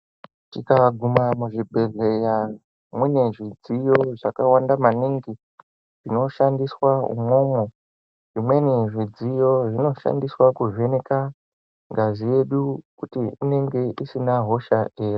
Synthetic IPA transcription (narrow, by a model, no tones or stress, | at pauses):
tikaɡʱumamuʐibʱe̞ɮe̞ja | mwune̞ʐid͡zijo̞ʐakawandamaniŋɡi | ʐ̥ino̞ʃandiswaṵmo̞mo | ʐimwe̞niʐid͡zijo̞ʐino̞ʃa̰ndiswakuʐene̞ka | ŋɡazije̞ɗukutiine̞ŋɡe̞ʔisinaɦo̞ʃaʔeːri